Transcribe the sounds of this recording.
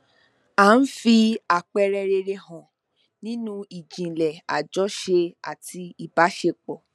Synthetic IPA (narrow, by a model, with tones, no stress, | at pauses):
ã˨˦n̩˦fi˧a˦˨k͡pɛ˧ɾɛ˧ɾe˧ɾe˧hɔ̃˨ | nĩ˦nũ˦i˨d͡ʒĩ˨lɛ˨a˨d͡ʒɔ˦ʃe˧a̰˨ti˧i˦˨ba˨˦ʃe˧k͡pɔ˨